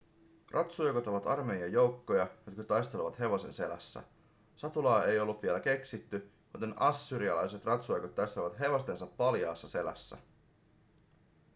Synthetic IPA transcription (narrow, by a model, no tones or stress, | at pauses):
rʔɑt̪sujkot̪o̞ʋɑt̪ɑrme̞jɑjo̞wkːo̞jɑjot̪kɑt̪ɑjst̪eleʋɑt̪ɦe̞ʋose̞̰nse̞læ̰sːæ̰ | sɑt̪ulɑːe̞jo̞lːut̪ʋie̞læk̟e̞ksit̪ːy | mut̪enɑsːyːɾiɑlɑjse̞t̪rɑt̪suojkot̪ːɑjst̪eeʋɑt̪ɦe̞ʋo̞st̪e̞nsɑpːɑljɑ̰ːsːɑse̞læ̰sːæ̰